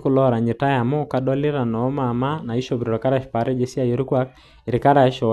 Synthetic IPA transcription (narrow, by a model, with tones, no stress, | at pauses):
ku˨lɔɾa˨ɲi˨ta˦ja˨mɔ˦ka˨dɔ˦li˦ɾa˨nɔː˨˦ma˨ma˦na˨i˦ʃɔbɾiɾɔ˨ka˦ɾaʃpa˨ɾɛ˦d͡ʒɛsi˦a˦joɾu˦kwa˦k̚ | i˨ɾika˦ɾa˨ʃɔ